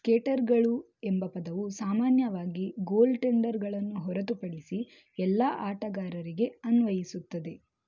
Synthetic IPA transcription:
keːʈɐɾɡɐɭu | embɐpɐd̪ɐʋusaːmaːnjɐʋaːɡiɡo̞ːlʈeɳɖɐɾɡɐɭɐnːuɦɔɾɐt̪upɐɽisi | ɛlːaːʔaːʈɐɡaːɾɐɾiɡe̞ɐnʋɐjisut̪ːɐd̪e̞

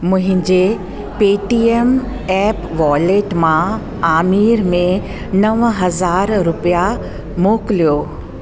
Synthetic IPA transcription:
mʊ̃ɦɪ̃ɲd͡ʑe | peːʈiem | ɛːpʋɔːleːʈmã | aːmiːɾmẽ | nɐʋɦɐzaːɾɾʊpija | moːkɪlijoː

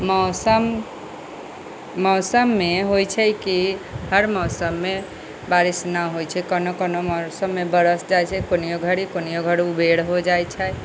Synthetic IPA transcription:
mɔsəm | mɔːsəmːeɦojt͡ʃʰɛkihəɾmɔːsəmːe | baɾisnəɦojt͡ʃʰɛkənokənomɔsəmːebəɾəsd͡ʒajt͡ʃʰɛkonijoɡʱəɽikonijoɡʱəɽiubeɽɦod͡ʒajt͡ʃʰɛ

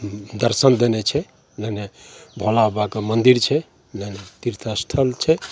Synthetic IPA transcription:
d̪əɾsənd̪enet͡ʃʰɛ | lenebʱolabakemənd̪iɾt͡ʃʰɛ | lenet̪iɾt̪ʰast̪ʰəlt͡ʃʰɛ

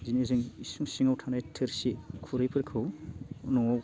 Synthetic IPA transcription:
zinezɯŋisuŋsiŋawtʰanajtʰɯɾsikʰuɾɯjpʰɯɾkʰɯwnɔŋaw

